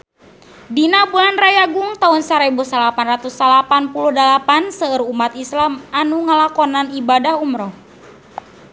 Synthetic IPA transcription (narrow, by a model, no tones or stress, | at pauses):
dinabulanrajaɡuŋt̪aunsaɾebusalapanrat̪usalapanpuluhdəlapansəərumat̪islamanuŋalakɔnanibadahumɾɔh